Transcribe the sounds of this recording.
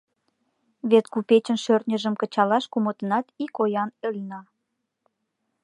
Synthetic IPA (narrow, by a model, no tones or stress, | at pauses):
βet̪kupet͡ɕə̆nʃørnʲə̆ʒə̆mkət͡ɕɑlɑʃkumot̪ənɑt̪ikojɑnølʲnɑ